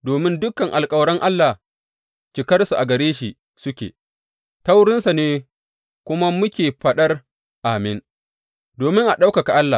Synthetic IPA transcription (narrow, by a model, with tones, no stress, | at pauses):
doː˨mɪ˦ndʊ˦kɐ˨ŋʔa˨lkʼɐ˦wɽɐ˦ŋʔa˦lːa˨ | t͡ʃɪ˨kɐ˦rsu˨ʔa˨ɡɐ˨ɽeː˦ʃi˨ | sʊ˦kʲḛː˨ | ta˦wɽɪ˦nsa˨neː˦ | kʷʊ˦ma˦mʊ˦kʲeː˨ɸɐ˦ɗɐ˦r | ʔaː˨mɪ˦n | doː˨mɪ˦ŋʔa˨ɗa˦wka˨ka˨ʔa˦lːa˨